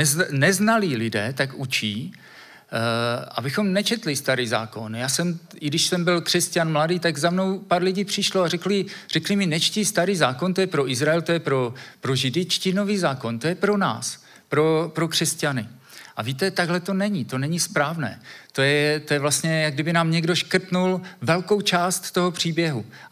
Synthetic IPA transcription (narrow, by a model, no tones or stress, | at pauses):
ɛznɛznaliːlɪdɛːt̪akʔut͡ʃiː | ʔa̰bɪxo̞mnɛt͡ʃɛt̪lɪst̪aɾiːza̰ːko̞njaːsɛm | ɪɡdɪʃsɛmbɪlkr̥ɛscanmladiːt̪aɡzamno̞wpaːɾlɪɟiːpr̥ɪʃloarɛklɪr̥ɛklɪmɪnɛt͡ʃcɪst̪aɾiːzaːko̞nt̪o̞jɛpɾoʔɪzɾaɛlt̪o̞jɛpɾo̞pɾo̞ʒɪdɪt͡ʃcɪno̞viːzaːko̞nt̪o̞jɛpɾo̞na̰ːs | pɾo̞pɾo̞kr̝̥ɛscanɪ | ʔaviːt̪ɛt̪aɡɦlɛt̪o̞nɛɲɪt̪o̞nɛɲɪspɾaːvnɛ̰ːt̪o̞jɛt̪ojɛvlast̪ɲɛjaɡ̚dɪbɪnaːmɲɛɡdo̞ʃkr̩p̪nulvɛlko̞wt͡ʃaːst̪ːoɦo̞pr̝̥iːbjɛɦu